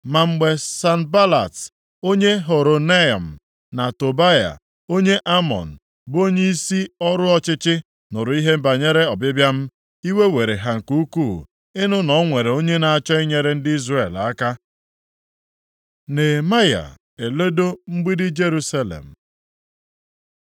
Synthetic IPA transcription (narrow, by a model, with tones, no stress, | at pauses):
ma˨ŋ͡m̩˦ɡ͡be˦sa˦nba˦la̰˨t | o˦ɲe˦ɦo˨ɾo˨ne˦ɔ̰˨m̩˨ | na˨to˨ba˦ja̰˨ | o˦ɲe˦ʔa˦mɔ̰˨n̩˨ | bo˦ɲe˦i˦si˦ɔ˦ɾʊ˦ɔ˦t͡ʃɪ˦t͡ʃɪ˦ | nʊ˨ɾʊ˨i˦ɦe˦m̩˦ba˨ɲe˦ɾe˦ɔ˨bɪ˦bja˦m̩˦ | i˦we˦we˨ɾe˨ɦa˨ŋ̩˨ku˦ku˦˨ | ɪ˦nʊ˦nɔ˨˦ŋʷe˨ɾe˨o˦ɲe˦na˨a˨t͡ʃɔ˦i˦ɲe˦ɾe˦n̩˦dɪ˦i˦zre˦˨la̰˦ka˦ | ne˨ma˦ja̰˨ | e˨le˦do˦m̩˦ɡ͡bi˦dɪ˦d͡ʒe˦ɾu˦sa˦lḛ˨m̩˨